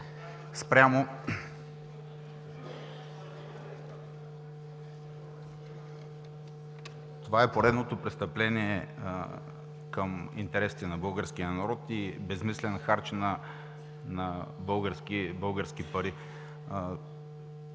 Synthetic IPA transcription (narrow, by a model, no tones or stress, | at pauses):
spɾʲjamo | t̪ovaɛpoɾɛd̪not̪opɾɛst̪əplɛniɛ | kəmḭnt̪ɛɾɛsi̥t̪ɛnɐbɤlˠɡəɾsk̟ijənɐɾɔt̪ibɛzmislɛnxaɾt͡ʃnɐ | nɐbɤlˠɡəɾskibɤlˠɡəɾsk̟ipɐɾi